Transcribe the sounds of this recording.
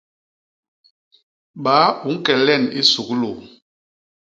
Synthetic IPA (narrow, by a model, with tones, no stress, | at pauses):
ɓa˨˦u˨˦ŋ̩˦kɛ˨lɛ˦˨ni˦su˨klo˨